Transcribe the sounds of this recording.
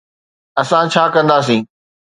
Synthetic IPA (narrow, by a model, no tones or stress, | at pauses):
ɐsãt͡ɕʰaːkɐ̃nd̪aːs̬ĩː